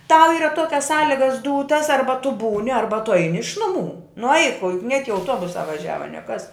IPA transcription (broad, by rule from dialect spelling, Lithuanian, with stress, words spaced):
tɐʊ ˈiːrɐ ˈtuɔkʲɛs ˈsɑːlʲɪɡɐs ˈduːtɐs ˈɐrbɐ tʊ ˈbuːnʲɪ ˈɐrbɐ tʊ ˈɐɪnʲɪ ɪʃ ˈnʊˌmuː nʊ ɐɪk oː jʊk nʲiɛk ɪ ɐʊˈtuɔbʊsɑː ʋɐˈʒʲæːʋɐ nʲiɛ kɐs